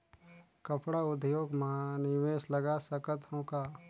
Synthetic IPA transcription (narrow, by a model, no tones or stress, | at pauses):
kəpʰɽaʊd̪ʱjoːɡmãnɪʋeːʃləɡasəkət̪ɦõːkaː